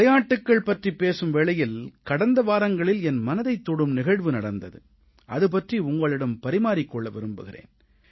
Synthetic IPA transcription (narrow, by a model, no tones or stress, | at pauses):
ɐjaːʈːɯkːɐɭpɐʈripeːsɯmʋeːɭɐjɪlkɐɽɐnd̪ɐʋaːɾɐŋɡɐɭɪlɛnmɐnɐðɐɪt̪ːɔɽɯmnɪɣɐɻʋɯnɐɽɐnd̪ɐðɯ̰ | ʔɐ̰ðɯp̬ɐʈriʊŋɡɐɭɪɽɐmpɐɾɪmaːɾɪkːɔɭːɐʋɪɾɯmbɯ̰ɣɪrḛːn